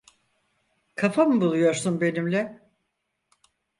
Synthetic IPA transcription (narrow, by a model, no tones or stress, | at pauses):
kʰafamɯbulˠujo̞ɾsunbe̞nimlʲɛ